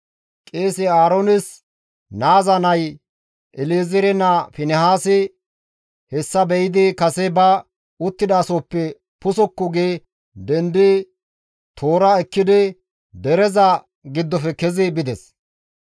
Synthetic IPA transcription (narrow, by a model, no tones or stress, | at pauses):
kʼeːsɪaːɾonɪs | naːzɐnɐj | ʔɪliːzɪɾɛnɐfɪnɛhaːsɪ | hɛsːɐbɛjɪd̪ɪkɐsɛbɐ | ʊt̪ːɪd̪aːsoːpːɛ | pʊsɔkːʊɡeː | d̪ɛnd̪ɪ | t̪ʰo̞ːɾɐɛkːɪd̪ɪ | d̪ɛɾɛzɐ | ɡɪd̪ːɔfɛkɛzɪbɪd̪ɛs